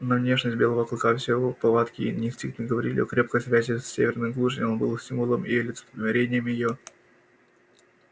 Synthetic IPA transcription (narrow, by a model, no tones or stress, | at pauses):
nɐvnʲe̞ʂnʲəsʲt̚ʲbʲe̞lˠəvəklˠkafsʲɪvopɐlˠat̪kʲɪḭnʲnʲɪsʲt̪ʲiknʲɪɡəvɐɾʲilʲɪ̰okɾʲe̞p̚kəjsvʲæzʲɪsːʲevʲɪrnɨmɡlˠuʐənʲonbɨlˠsʲtʲimvʊlˠəmilʲɪt̪sə̥p̪lʲɪmʲɐɾʲenʲɪjəmʲɪjɪjo